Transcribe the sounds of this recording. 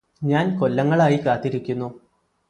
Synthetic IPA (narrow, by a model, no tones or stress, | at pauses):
ɲaːnko̞lːɐŋːɐɭaːjikaːt̪ːiɾikʲːunːu